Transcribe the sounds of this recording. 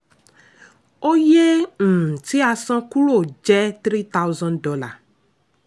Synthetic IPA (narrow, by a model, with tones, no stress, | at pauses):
o˦je˦ŋ̩̃˨t̪i˦a˧sã˦ku˦ɾo˦˨d͡ʒɛ˦t̪ɾi˦t̪a˦wzɔ̃˦ndɔ˨˦la˨